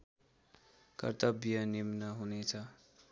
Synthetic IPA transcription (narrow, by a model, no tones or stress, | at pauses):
kʌ̰rt̪ʌbjʌnimnʌɦunet͡sʰʌ